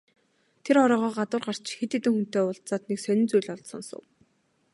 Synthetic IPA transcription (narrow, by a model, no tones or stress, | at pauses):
t̪ʰeɾɔɾɔːʁɔːɢat̪ʊ̆rɢar̥t͡ɕxet̪et̪ɘ̆ŋxun̥t̪eːʊɮtt͡saːt̪neksœnʲɪ̆nt͡sujɮɔɮsɔ̰̆nsʊ̰̆w